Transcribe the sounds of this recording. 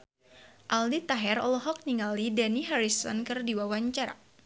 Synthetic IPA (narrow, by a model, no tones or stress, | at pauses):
ʔaldit̪aɦɛɾɔ̰lɔɦɔk̚niŋalidaniɦaɾisɔ̰nkɨrdiwawaɲt͡ʃaɾa̰